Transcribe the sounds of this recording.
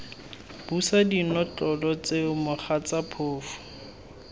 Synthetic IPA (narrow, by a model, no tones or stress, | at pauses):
b̥usadinɔt͡ɬʼɔlɔt͡semʊχat͡sapʰoːfʊ̥